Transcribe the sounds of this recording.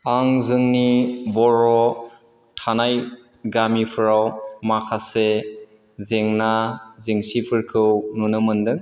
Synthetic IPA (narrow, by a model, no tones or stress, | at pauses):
aŋzɯŋnibɔɾɔ | tʰanaj | ɡamipʰɯɾawmakʰase | zeŋnazeŋsipʰɯɾkʰɯwnunɯmɯndɯŋ